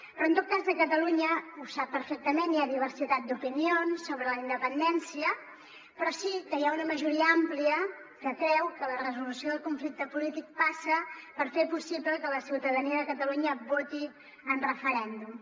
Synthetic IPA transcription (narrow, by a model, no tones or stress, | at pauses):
pɾɔənt̪ot̪̚kazðəkət̪əluɲəusap̚ːəɾfɛk̚t̪əmenːiaðiβ̞əɾsit̪at̪̚d̪upinionsːoβɾələind̪əpənd̪ɛnsiə | pɾɔsikəjaunəməʒuɾiəampliə | kəkɾɛwkələrəzulusioðəlˠkuɱflik̚t̪əpulit̪ik̚pasəpəɾfepusibləkələsiwt̪əðəniəðəkət̪əluɲəβot̪i | ənrəfəɾɛnd̪um